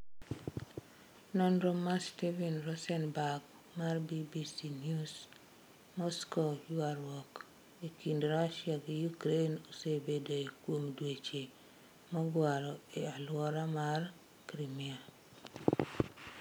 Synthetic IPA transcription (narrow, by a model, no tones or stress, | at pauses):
nɔnɾɔmastivinɾɔsɛnbaɡ | marbibisinjus | mɔskojuaɾwɔk | ikindɾaʃjaɡɪjukɾenosebedoikwomdwet͡ʃe | mɔɡwaɾɔealwɔɾamar | kɾimia